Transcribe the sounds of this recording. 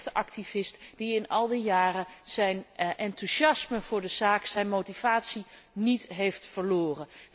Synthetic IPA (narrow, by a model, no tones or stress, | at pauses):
təʔɑk̚tiv̥ɪstd̥iɪnɑlˠdijaːrəz̥ɛjnʔɛntuʃɑsməv̥ʊːɹdəzaːksɛjnmowtiv̥aːtsi | nitɦejftfəɹloːrən